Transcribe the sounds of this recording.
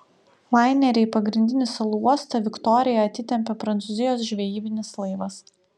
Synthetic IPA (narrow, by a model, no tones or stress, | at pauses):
ʋɑˑɪnʲɛɾʲɛɪpɐɡɾʲɪnʲd̪ʲɪnʲɪsɐlˠuuɔst̪ɐʋʲɪkt̪ɔɾʲɪjɛɐt̪ʲɪt̪ʲɛmʲpʲɛpɾɐntsʊzʲɪjoːsʒʲʋʲɛjiːbʲɪnʲɪslˠɐɪʋɐs